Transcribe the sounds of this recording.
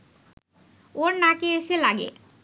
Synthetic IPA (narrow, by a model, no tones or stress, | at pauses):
oɾnakeeselaɡḛ